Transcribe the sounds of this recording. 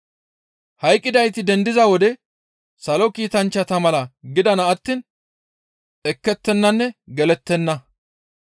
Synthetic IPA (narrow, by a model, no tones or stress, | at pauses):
hɐjkʼːɪd̪ɐjt̪ɪd̪ɛnd̪ɪzɐwɔd̪ɛ | sɐlɔkiːt̪ɐnt͡ʃːɐt̪ɐmɐlɐɡɪd̪ɐnɐːt̪ːiːn | ɛkːɛt̪ːɛnːɐnːɛɡɛlɛt̪ːɛnːɐ